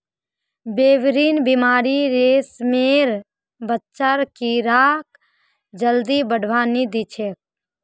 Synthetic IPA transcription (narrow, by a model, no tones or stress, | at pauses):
beːʋɾiːnbimaːɾiɾeːsmeːɾ | bətːʃəɾkiɾaːk | d͡ʒəld̪ibəɖʱʋaːnid̪it͡ʃʰek̚